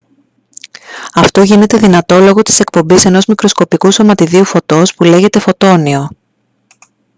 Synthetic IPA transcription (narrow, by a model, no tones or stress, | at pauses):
ɐft̪o̞ʝine̞t̪e̞ðinɐt̪o̞lo̞ɣot̪i̥se̞k̚po̞mbise̞no̞zmikɾo̞sko̞pikuso̞mɐt̪iðiufo̞t̪o̞spule̞ʝe̞t̪e̞fo̞t̪o̞nio̞